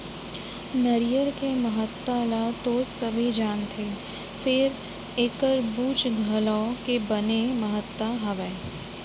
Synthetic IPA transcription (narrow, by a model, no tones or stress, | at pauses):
nəɾɪjəɾkeməɦət̪ːalat̪oːsɐbʱid͡ʒaːnt̪ʰeː | fɪɾ | eːkəɾbuːt͡ʃɡʱɐlɔ̃kebɐneməɦət̪ːwaɦɐʋɛː